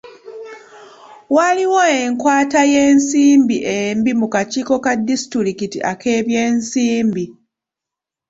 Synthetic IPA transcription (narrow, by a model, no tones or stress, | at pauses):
waliwoeŋkwaːtaje̞ːnsiːmbiʔembimukaciːko̞kadːisi̥tɾiɾikitiʔake̞ːβje̞ːnsiːmbi